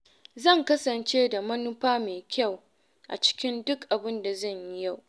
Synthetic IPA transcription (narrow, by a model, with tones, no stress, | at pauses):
zɐ˦˨ŋkɐ˦sɐ˨nt͡ʃeː˦da˨mɐ˦nʊ˦ɸaː˦meː˨kʲa˦˨w | ʔa̰˨t͡ʃɪ̥˦kʲɪ˦ndʊ˦kʔa˨bɪ˦nda˨zɐ˦˨ɲji˦ja˦˨w